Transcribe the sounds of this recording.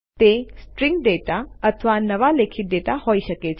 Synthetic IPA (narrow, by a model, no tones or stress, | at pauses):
t̪esʈɾĩŋɡɖeʈaət̪ʰəʋanəʋalekʰiʈ̚ɖeʈahoiʃəket͡ʃʰ